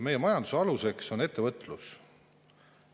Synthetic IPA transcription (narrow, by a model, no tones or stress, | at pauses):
me̞jːe̞mɑjɑnd̪u̥seɑluse̞kso̞ne̞t̪ːevɤt̪ːˑlus